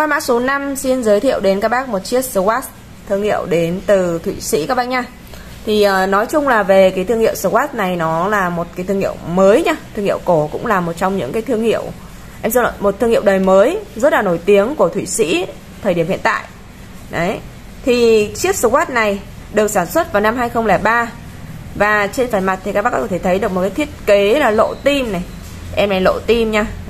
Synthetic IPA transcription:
kwaː˧ma̰ː˧˥so˨˦na˧msi˧nzəː˨˦jt̪ʰḭ˧˨əwɗe˨˦nkaː˦˥k̚ɓaː˦˥k̚mo˨˩t̚t͡ɕi˦˥əp̚sɨ˧waː˦˥t | t̪ʰɨ˧əŋhḭ˧˨əwɗe˨˦nt̪ɨ˨˩t̪ʰwi˧˩sḭ˧˥kaː˦˥k̚ɓaː˧˥ɲaː˧ | t̪ʰi˨˩ʔəː˨˩nɔ˨˦jt͡ɕʊ˧ŋ͡mlaː˨˩ve˨˩kaː˨˦jt̪ʰɨ˧əŋhḭ˧˨əwsə˧˩kwaː˦˥t̚na˨˩jnɔ˨˦laː˨˩mo˨˩t̚kaː˨˦t̪ʰɨ˧ŋhi˧˨əwməː˨˦jɲaː˧t̪ʰɨ˧ŋhḭ˧˨ə˨wko˧˩kʊ̰˧˥ŋ͡mlaː˨˩mo˨˩t̚t͡ɕɔ˧wŋ͡mɲɨ̰˧˥ŋkaː˨˦jt̪ʰɨ˧əŋhḭ˧˨əw | ʔɛ˧msi˧ɔ̰˧˨mo˨˩t̚t̪ʰːɨ˧əŋhi˧˨əwɗəː˨˩jməː˨˦jzə˦˥t̚laː˨˩no˧˩jt̪i˨˦əŋku˧˩ət̪ʰwi˧˩sḭ˧˥ | t̪ʰəː˨˩ɗi˧˩əmḭ˧˨ənt̪a̰ː˧˨jʔ | ɗə˨˦j | t̪ʰi˨˩t͡ɕi˦˥əp̚sə˧kwaː˦˥t̚na˨˩j | ɗɨ˨˩ək̚saː˧˩nswə˦˥t̚vaː˨˩wna˧mɦaː˧jxə˧wŋ͡mlɛ˧˩ɓaː˧ | vaː˨˩t͡ɕe˧nfaː˧˩jma˨˩t̪̚ʰi˨˩kaː˦˥ɓkɔ˦˥kːɔ˧˩tʰe˧˩t̪ʰə˨˦jɗɨ˨˩ək̚m˨˩t̚kːaː˨˦jt̪ʰi˦˥t̚ke˨˦laː˨˩lo̰˧˨t̪i˧mna˨˩j | ʔɛ˧mna˨˩lo̰˧˨t̪i˧mɲaː˧

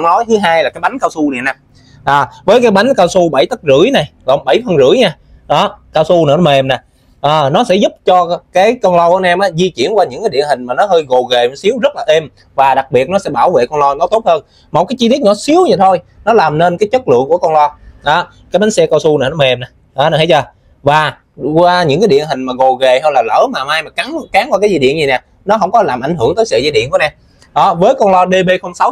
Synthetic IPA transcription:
nɔ˨˦jt̪ʰɨ˨˦ɦaː˧jlaː˨˩kaː˨˦jɓa˨˦jŋ̟kaː˧wsu˧ɗḭ˧˨naː˧m | ʔaː˨˩vəː˨˦jkaː˨˦jɓa˨˦jŋkaː˧wsu˧ɓə˧˩jt̪ə˦˥t̚zɨ̰˧˥əjna˨˩jlə˨˩ŋ͡mɓə˧˩jfʰə˧nzɨ̰˧˥əjɲaː˧ | ɗɔ˨˦kaː˧wsu˧na̰˨˧˩nɔ˨˦me˨˩mnaː˨˩ | ʔaː˨˩nɔ˨˦sɛ̰˧˥zʊ˦˥p̚t͡ɕɔ˧kaː˨˦jkɔ˧nlɔ˧kɔ˧ənʔaː˧mʔaː˨˦zi˧t͡ɕi˧˨ənkwaː˧ɲɨ̰˧˥ŋkaː˨˦ɗḭ˧˨ənhï˨˩ŋ̟maː˨˩nɔ˨˦ɦəː˧jɣo˨˩ɣe˨˩n˨˦si˨˦əwzə˦˥t̚laː˨˩ʔe˧m | vaː˨˩ɗa˨˩k̚ɓi˨˩ət̚nɔ˨˦sɛ̰˧˥ɓaː˧˩wvḛ˧˨kɔ˧nlɔ˧nɔ˨˦t̪o˦˥t̚həː˧n | mo˨˩t̚kaː˨˦jt͡ɕi˧i˦˥əɲɔ˨˦si˨˦əwɲa˨˩t̪ʰo˧jnɔ˨˦laː˨˩mne˧nkaː˨˦jt͡ɕə˦˥t̚lɨ̰˧˨əŋku˧˩əkɔ˧nlɔ˧ɗɔ˨˦ | kaː˨˦jɓa˨˦ŋsɛ˧kɔ˧wsu˧na˨˩nɔ˨˦ma˧˩ʔɛ˧mna˨˩ | ɗɔ˨˦n˨˩ha˨˦jt͡ɕəː˧˩ | vaː˨˩ | kwaː˧ɲɨ̰˧˥ŋkaː˨˦jɗḭ˧˨ənɦï˨˩ŋ̟maː˨˩ɣo˨˩ɣe˨˩ɦə˧laː˨˩lə̰ː˧˥maː˨˩maː˧jmaː˨˩ka˨˦ŋkaː˨˦ŋkwaː˧kaː˨˦zi˧ɗḭ˧˨ənzi˨˩nɛ˨˩ | nɔ˨˦ɦə˧wŋ͡mkɔ˨˦laː˨˩mʔa˧˩jŋ̟ɦɨ˧˩əŋt̪əː˨˦jsə̰ː˧˨zi˧ɗḭ˧˨əku˧˦nɛ˧m | ɗɔ˨˦vəː˨˦jkɔ˧nlɔ˧ɗe˧ɓe˧xə˧wŋ͡msa˨˦w

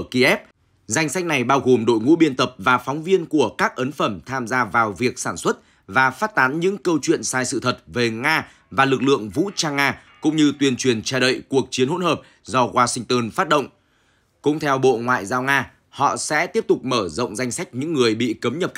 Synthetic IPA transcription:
ki˧ʔɛ˦˥p̚ | za˧jŋ̟sa˦˥k̚na˨˩jɓaː˧wɣo˨˩mɗo̰˧˨jŋṵ˧˥ɓi˧ənt̪ə˨˩p̚vaː˨˩fɔ˨˦wŋ͡mvi˧ənku˧˩əkaː˦˥k̚ʔə˨˦nfə˧˩mt̪ʰaː˧mzaː˧vaː˨˩wvi˨˩ək̚saː˧˩nswə˦˥t̚ | vaː˨˩faː˦˥t̚t̪aː˨˦nɲɨ̰˧˥ŋkə˧wt͡ɕwḭ˧˨ənsaː˧jsɨ̰˧˨t̪ʰə˨˩t̚ve˨˩ŋaː˧ | vaː˨˩lɨ˨˩k̚lɨ̰˧˨əŋvṵ˧˥t͡ɕaː˧ŋaː˧kʊ̰˧˥ŋ͡mɲɨ˧t̪wi˨˩ənt͡ɕwi˨˩ənt͡ɕa˧˩ɗə̰˧˨jku˨˩ək̚t͡ɕi˨˦ənho̰˧˥nhɦəː˨˩p̚ | zɔ˧ɣwaː˧sï˧ŋ̟t̪əː˧nfaː˦˥t̚ɗə̰˧˨ŋ͡m | kʊ̰˧˥ŋ͡mt̪ʰɛ˧wɓo̰˧˨ŋwa̰ː˧˨jzaː˧wŋaː˧ | hɔ̰˧˨sɛ̰˧˥t̪i˦˥əp̚t̪ʊ˨˩k͡p̚məː˧˩zə̰˧˨wŋ͡mza˧jŋ̟sa˦˥jk̟̚ɲɨ̰˧˥ŋːɨ˨˩əjɓḭ˧˨kə˨˦mɲə˨˩p̚

